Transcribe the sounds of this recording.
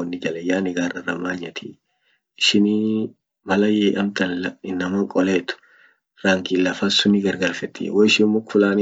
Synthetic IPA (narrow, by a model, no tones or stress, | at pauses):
ɔnːɪd͡ʒɐlɛjaːnɪɡaːrɐrɐmːaːɲːɐt̪ʰi | ɪʃɪni | mɐlɐjeːʔɐmt̪ɐnlɐɪnːɐmɐŋkʼɔleːt̪ʊ̥ | ɾaːŋɡɪlːɐfɐsʊnːɪɡɐɾɡaɾfɛt̪ːɪ̰wɔɪʃɪmːʊkfʊlaːnɪ